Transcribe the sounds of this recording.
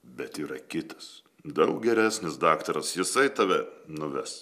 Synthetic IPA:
bʲɛt̪iːɾɐkʲɪt̪ɐ̥s | d̪ɐʊk̚ɡʲɛɾʲæːsʲnʲɪsd̪ɑːkt̪ɐɾɐsjɪsɐɪt̪ɑːʋʲɛnʊʋʲɛs

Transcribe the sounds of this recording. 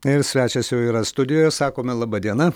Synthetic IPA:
ɪɾsʲʋʲæːt͡ʃʲɛsjɛʊiːɾɐst̪ʊd̪ʲɪjoːjɛsɑːkoːmʲɛlˠɑːbɐd̪ʲiɛnɐ

